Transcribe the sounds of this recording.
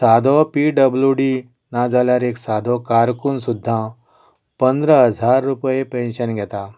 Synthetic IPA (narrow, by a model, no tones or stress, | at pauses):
sad̪ʱɔpiɖəbljuɖi | nad͡zaljaɾeksad̪ʱɔkaɾkunsud̪ʱːã | pənd̪ɾəɦəd͡zʱaɾːupjepẽnɕənɡʱɛt̪a